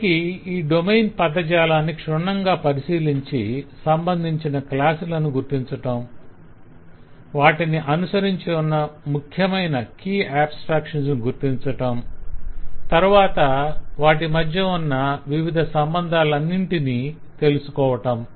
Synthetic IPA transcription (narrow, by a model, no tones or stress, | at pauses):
kiiːɖomejnpɐd̪ːɐd͡ʒaːlaːnːikʂuɳɐŋɡaːpɐɾisiːliɲt͡ʃisɐmbɐnd̪ʱiɲt͡ʃinɐklaːsulɐnuɡuɾt̪iɲt͡ʃɐʈɐm | ʋaːʈiniʔɐnusɐɾiɲt͡ʃiunːɐmukʰjɐmɐjnɐkiːaːbsʈɾaːkʂɐnsnuɡuɾt̪iɲt͡ʃɐʈɐm | t̪ɐɾuʋaːt̪ɐʋaːʈimɐd̪ʱjɐunːɐʋiʋid̪ʱɐsɐmbɐnd̪ʱaːlɐnːiɳʈini | t̪e̞lusu̥kɔːʋɐʈɐm